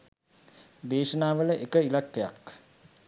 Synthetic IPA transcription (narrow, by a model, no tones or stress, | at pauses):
d̪eːʃənaːʋələʔekəilakːeja̰k